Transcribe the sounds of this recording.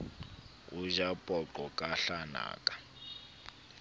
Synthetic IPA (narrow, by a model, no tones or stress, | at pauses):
uʒapʼɔǃɔkʼaɬana̰ːkʼḁ